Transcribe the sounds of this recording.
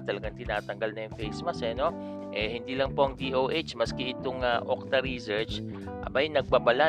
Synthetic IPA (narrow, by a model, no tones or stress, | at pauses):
t̪ɐlɐɡaŋt̪ɪnaːt̪ɐŋɡɐlnɐjʊŋfejsmɐsɛno̞ | ʔɛhɪnd̪iːlɐŋpo̞ʔɐŋd̪iːʔowʔet͡ʃmɐskɛʔɪt̪oŋaʔok̚t̪ɐɾisɛɹt͡ʃ | ʔɐ̰bajnɐɡ̚babɐla